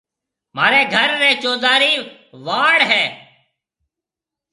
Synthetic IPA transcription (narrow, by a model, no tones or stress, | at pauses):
maːɾeːɡʱəɾːeːt͡ʃoːd̪aːɾiː | ʋaːɽɦɛː